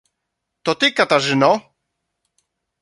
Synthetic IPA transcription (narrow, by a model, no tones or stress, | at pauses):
t̪ɔt̪ɪkat̪aʐɨnɔ